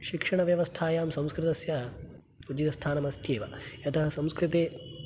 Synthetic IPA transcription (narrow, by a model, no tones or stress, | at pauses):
ʃikʂɐɳɐʋjɐʋɐst̪ʰaːjaːmsɐ̃mskɾɪt̪ɐsjɐ | ud͡ʒit̪ɐst̪ʰaːnɐmɐst̪ʰjeːʋɐ̰jɐt̪ɐɦɐsɐmskɾit̪eː